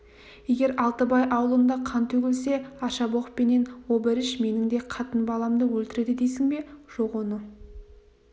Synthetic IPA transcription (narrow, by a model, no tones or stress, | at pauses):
je̞ɡʲe̞ɾɑlˠt̪əbɑjʔɑwəlˠənd̪ɑqʰɑnt̪ʰɵɡʲɪlse̞ɑʃɑboqpene̞nwobɪɾɪʃme̞nɪŋd̪e̞qʰɑt̪ənbɑlˠɑmd̪əwɵlt̪ɪɾe̞d̪ɪd̪ejsɪŋbe̞ʒ̥oqwo̞nə